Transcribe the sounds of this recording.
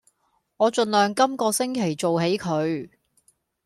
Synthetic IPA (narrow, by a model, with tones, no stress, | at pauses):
ŋɔː˨˧t͡ʃɵ˧nlœː˨ŋkɐ˥mkɔː˧sɪ˥ŋkʰe˨˩jt͡so˨whe˨˥jkʰɵ˨˧ɥ